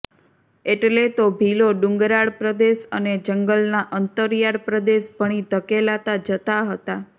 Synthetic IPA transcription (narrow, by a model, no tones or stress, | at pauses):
eʈlet̪obʱiloɖʊ̃ŋɡɾaɽpɾəd̪eʃəned͡ʒəŋɡəlnaʔənt̪əɾjaɽpɾəd̪eʃbʱəɽ̃it̪əkelat̪ad͡ʒət̪aɦət̪a